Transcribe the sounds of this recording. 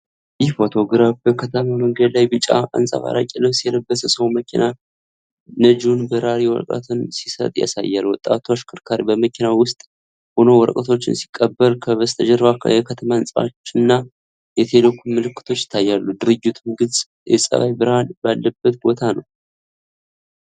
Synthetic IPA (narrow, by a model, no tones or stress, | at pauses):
jɪhfo̞t̪ʰo̞ɡɾafbəkʰət̪ʰəmaməŋɡəd̪lajbɨt͡ʃʼːa̰ʔa̰nsʼa̰βa̰ɾa̰kʼinəwsijɛləbːəsəsəwməkʰina | nəd͡ʒunbəɾaɾiwɔɾkʼə̰t̪ʰɨnsisə̰t̪ʼja̰sa̰jːalwɔt̪ʼːa̰t̪ʰoʃkʰɨɾkʰaɾbəməkʰinawʊst̪ʼ | ho̞no̞wɔɾkʼət̪ʰo̞t͡ʃːɪnsi̥kʼːəbːəɾkʰəβəst̪ʰəd͡ʒɛɾβakʰjɛkʰət̪ʰəmaɨnsʼat͡ʃːnːa | jɛt̪ʰelokʰːumɨlɨkːɨ̥t̪ʰo̞t͡ʃːjɪ̥t̪ʰːajːalːud̪ɨɾɨd͡ʒːɪt̪ʰumɡɨsʼ | jɛ̰sʼə̰βajbɨɾhanbalːəbːət̪̚bo̞t̪ʰanəw